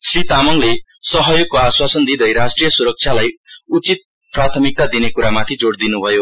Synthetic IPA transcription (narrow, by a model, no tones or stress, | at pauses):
srit̪amʌŋlesʌɦʌjoɡ̚koaswasʌnd̪id̪ʌjɾasʈrijʌsuɾʌk̚t͡sʰjalajut͡sit̪̚ | prat̪ʰʌmik̚t̪ad̪inekuɾamat̪ʰid͡zoɽd̪inubʱʌjo